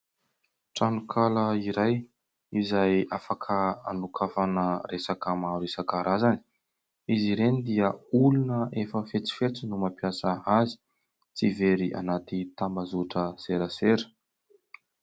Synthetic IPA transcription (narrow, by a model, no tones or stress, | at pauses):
ʈ͡ʂanukʰaləiɾaj | izajafakʰəa̰nukʰafanəɾesakəmaɾuesakaɾʔazani̥ | iziɾenid̪iəulunəʔefəfet͡si̥fet͡sinumapiasəazi̥ | t͡siveɾiʔa̰nat̪it̪ambazuʈ͡ʂəseɾəseɾə̥